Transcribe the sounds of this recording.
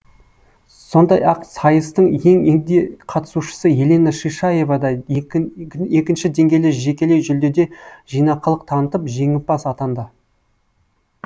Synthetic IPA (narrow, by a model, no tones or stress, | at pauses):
so̞nd̪ɑ̰jɑqsɑjəst̪əɴje̞ŋed̪eqʰɑt̪ə̥suʃə̥səje̞lenəʃiʃɑje̞vɑd̪ɑ | e̞kʲɪnʃɪd̪e̞ŋɡʲejlɪʒe̞kʲe̞le̞ʒʏld̪e̞d̪e̞ʒijnɑqəlˠəq̚t̪ʰɑnət̪əpʒe̞ŋɪp̚bɑsɑt̪ɑnd̪ə